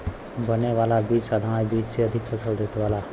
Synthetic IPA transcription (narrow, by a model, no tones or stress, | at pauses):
bʱəneʋaːlabiːd͡ʒsaːd̪ʱañabiːd͡ʒsʰeəd̪ʱɪkpʰəsəld̪et̪ʋaːla